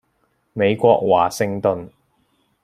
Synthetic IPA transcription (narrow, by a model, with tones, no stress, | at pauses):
me˨˧jkʷɔː˧k̚waː˨˩sɪ˧ŋt̪ɵ˨n